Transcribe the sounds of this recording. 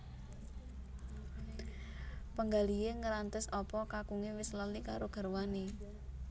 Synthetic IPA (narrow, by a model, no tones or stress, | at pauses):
pəŋɡalieŋəɾant̪əsɔpɔkakuŋewɪsləlikaɾoɡ̥a̤ɾwane